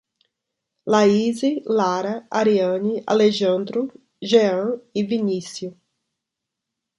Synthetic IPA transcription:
laizilaɾɐaɾiɐ̃nia̰leʒɐ̃nd̪ɾʊ | ʒeɐ̃ivinisijʊ

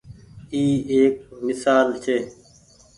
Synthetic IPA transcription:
iːeːk̚mɪsaːlt͡ʃʰeː

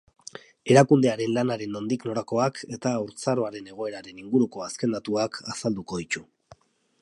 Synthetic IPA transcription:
e̞ɾakund̪e̞aɾe̞nlanaɾe̞nːo̞nd̪ikno̞ɾako̞akʰe̞t̪auɾt͡saɾo̞aɾe̞ne̞ɣ̞o̞e̞ɾaɾe̞niŋɡuɾuko̞aske̞nd̪at̪uakʰasald̪uko̞ðit͡ʃu

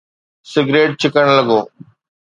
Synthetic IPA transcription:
sɪɡɾeːʈ̚t͡ɕʰɪkəɽ̃ləɡoː

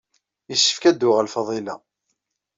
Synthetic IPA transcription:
jəʃːə̥fkæd̪ːʊʁælfɑðˤilɑ

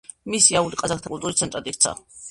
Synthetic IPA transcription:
misiauliqʼazak̚t̪ʰakʼulˠt̪ʼuɾit̪sʰɛnt̪ʼɾat̪ʼik̚t̪sʰa̰

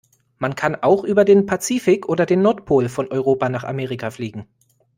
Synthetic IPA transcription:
mankʰanʔaʊxʔyːbɐdeːnpʰat͡siːfɪkʔoːdɐdeːnːɔɐtpʰoːlfɔnʔɔʏʁ̞oːpanaːχa̰meːʁɪkʰafliːɡŋ̩

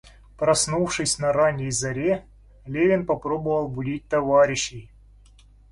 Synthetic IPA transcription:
pɾɐsnufʂɨsʲnɐɾanʲːɪjzɐɾʲe | lʲevʲɪnpɐpɾo̞bəvəlˠbʊdʲit̚ʲt̪ɐvaɾʲɪɕːɪj

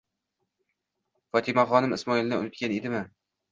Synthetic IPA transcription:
fɒt̪ʰɪmaχɒnɪmɪsmɒɪlˠd̪aʊ̰nɪt̪kʲaned̪ɪmɪ

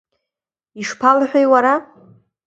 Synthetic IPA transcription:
iʂpʰalħʷᶣajwaɾa

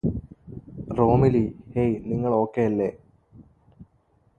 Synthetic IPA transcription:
roːmilihejniŋːɐɭo̞ːkːejɐlːe

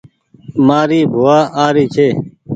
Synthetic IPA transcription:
maːɾiːbʱoːaːʔaːɾiːt͡ʃʰeː

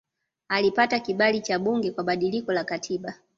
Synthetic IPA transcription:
alipatakiɓalit͡ʃaɓuŋɡɛkwaɓaɗilikɔlakatʰiɓa

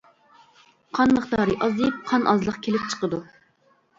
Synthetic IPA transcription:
qʰɑnməχt̪ɑːɾɨʔɑzɨp̚qʰɑnʔɑ̰zlˠəqkʲʰelɪp̚t͡ʃʰə̥qəd̪u

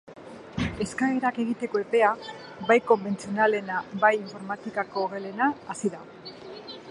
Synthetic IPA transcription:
e̞skaɣeɾake̞ɣit̪e̞ko̞e̞pe̞a | bajko̞mbe̞nt͡sio̞nale̞nabajiɱfo̞ɾmat̪ikako̞ːɣe̞le̞naːsiða

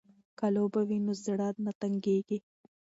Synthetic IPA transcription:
kalobawinozaɽɑd̪̚nat̪aŋɡeɡi

